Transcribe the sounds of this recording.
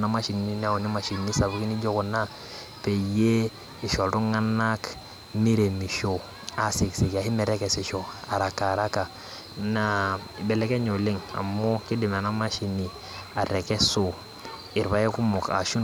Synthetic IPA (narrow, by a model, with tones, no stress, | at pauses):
na˦ma˦ʃi˨n˨i˦ni˦a˦˨u˨ni˦ma˨ʃi˨ni˦sa˨bu˦ki˦ni˦ɟo˦ku˨na˦ | pe˨je˦ | i˨ʃo˨ltu˦ŋa˦na˦k | mi˦ɾe˨mi˨ʃo˨ | a˨si˨ksi˨ka˨hi˦mɛ˨ɾe˦ke˨si˨ʃo˨a˨ɾa˨ka˨ɾa˦ka˨ | na˦˨be˨le˦ke˦ɲo˨li˦ŋa̰˨mːo˦ki˦di˨ma˨na˦ma˦ʃi˨ni˨ | a˨ɾe˨ke˦so˦ | i˨ɾβa˨je˦ku˦mo˨ka̰˨ʃu˦